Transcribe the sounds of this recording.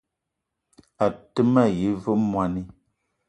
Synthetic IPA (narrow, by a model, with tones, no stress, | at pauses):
a˨tə˦ma˦˨ji˨˦və˦mwa˨ni˦